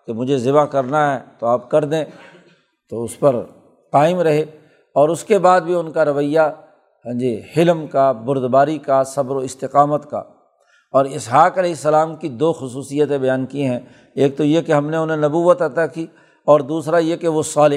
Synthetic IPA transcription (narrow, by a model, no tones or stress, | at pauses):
kemʊd͡ʒʱezɪbakɐɾnaɦɛːt̪oaːpkɐɾd̪ẽː | t̪oʊspɐɾ | qaːɪmɾɐɦe | ɔːɾʊskebaːd̪̚bʱiʊnkaɾɐʋəja | ə̃d͡ʒihɪlmkabʊɾd̪baːɾikasɐbɾoɪst̪ɪqaːmət̪ka̰ | ɔːɾɪsɦaːqɐlɛːɦɪsːɐlaːmkid̪oːxʊsuːsijət̪ẽbɐjaːnkiɦɛ̃ | eːk̚t̪ojekeɦɐmneʊnɦẽnɐbuːʋət̪ɐt̪aki | ɔːɾd̪uːsɾajekeʋosaːlɪ